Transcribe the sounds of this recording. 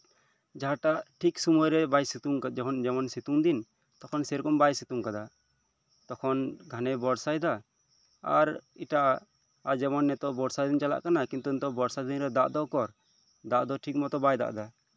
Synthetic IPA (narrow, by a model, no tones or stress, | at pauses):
d͡ʒaɦaʈaʔʈʰiksumɔjɾɛbajsit̪uŋkd͡ʒɛkʰɔnd͡ʒɛmɔnsit̪uŋd̪in | t̪ɔkʰɔnsɛɾkɔmbajsit̪uŋkad̪a | t̪ɔkʰɔnɡʱanɛbɔɾsajd̪a | a̰ɾiʈaʔaː | d͡ʒɛmɔnːɛt̪ɔʔbɔɾsajd̪int͡ʃala̰ʔkanakĩnt̪unt̪ɔʔbɔɾsad̪inɾɛd̪aʔd̪ɔkɔɾ | d̪aʔd̪ɔʈʰik̚mɔt̪ɔbajd̪a̰ʔd̪a